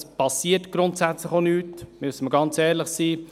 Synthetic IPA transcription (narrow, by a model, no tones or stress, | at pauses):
spɑsiətɡ̥ɾʊntsæt͡sləχonyːtmysəməɡɑnt͡sɛːɾləχsiː